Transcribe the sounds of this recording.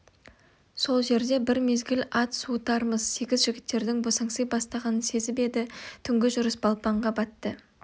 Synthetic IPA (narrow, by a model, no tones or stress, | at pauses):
so̞lˠʒe̞ɾd̪e̞bɪɾme̞zɡʲɪlʲɑt̪sut̪ɑɾməzse̞ɡʲɪzʒɪɡʲɪt̪ːe̞ɾd̪ɪŋbosɑŋsəjbɑst̪ɑʁɑnənse̞zɪpe̞d̪ɪt̪ʰʏŋɡʲɪʒʊɾəsbɑlˠpɑɴʁɑbɑt̪ːə